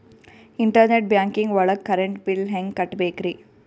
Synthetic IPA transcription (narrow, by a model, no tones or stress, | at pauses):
ɪɳʈɐɾneʈ̚bjaːŋkɪŋɡʋɐɭɐkːɐɾɛɳʈpɪlɦɛŋɡkɐʈːbeːkɾi